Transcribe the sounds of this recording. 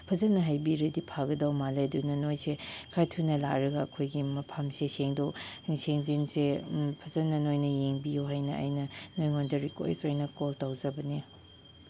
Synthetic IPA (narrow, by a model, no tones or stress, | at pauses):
pʰɐzɐnɐɦajbiɾɐdipʰaɡɐdawmaledunɐnojsekʰatʰunɐla̰k̚ɾɐɡɐɐkʰojɡimɐpʰɐmseseŋdoseŋzinsepʰɐzɐnɐnojnɐjeŋbijuɦajnɐɐ̰jnɐnojŋondɐɾiko̰j̰sojnɐkoltawzɐbɐni